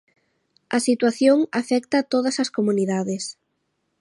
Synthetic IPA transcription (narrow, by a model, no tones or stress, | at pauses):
ɐsit̪waθjoŋafɛk̚t̪ɐt̪oð̞ɐsɐskomuniðaðɪs